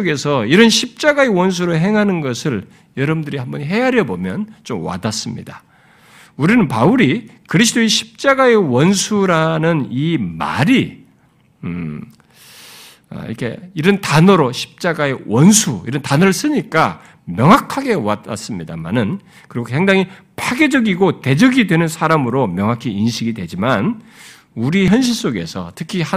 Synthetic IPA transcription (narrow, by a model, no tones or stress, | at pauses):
oɡe̞sʰʌiɾʌnɕʰip̚t͡ɕ͈aɡae̞wʌns̬ʰuɾoɦe̞ŋɦanɯnɡʌsʰɯɭ | jʌɾʌbndɯɾihambʌnɦe̞aɾjʌbomjʌnt͡ɕomwa̰das͈ɯmɲḭd̥a | uɾinɯnpauɾikɯɾis̬ʰɯdoiɕʰi̥p̚t͡ɕ͈aɡae̞wʌnsʰuɾanɯnima̰ɾi | ḭɾʌkʰe̞̰iɾʌntanʌɾoɕʰi̥p̚t͡ɕ͈aɡae̞wʌnsʰuiɾʌntanʌɾɯɭs͈ɯɲik͈a | mjʌŋɦakʰːaɡe̞wa̰ta̰s͈ɯmɲida̰ma̰nɯn | kɯɾiɡosʰeŋdaŋi | pʰaɡed͡ʑʌɡiɡote̞d͡ʑʌɡidwe̞nɯnsʰaɾamɯɾomjʌŋɦakʰiinɕʰiɡidwe̞d͡ʑiman | uɾiçjʌnɕ̬ʰiɭs͈oɡe̞̰sʰʌ̰tʰɯkʰia